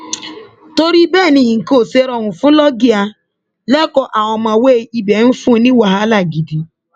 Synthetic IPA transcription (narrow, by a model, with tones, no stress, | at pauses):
to˦ɾi˦bɛ˦˨ni˨ŋ̩˨ko˦˨se˦ɾɔ˦ŋʷʊ˨fʊ˦lɔ˦ɡɪ˦a˧ | lɛ˦kɔ˨ʔa˨ɔ˨ma˨weː˦˨i˦be˨n̩˦fũ˦ni˦wa˨ɦa˦la˦˨ɡi˨di˨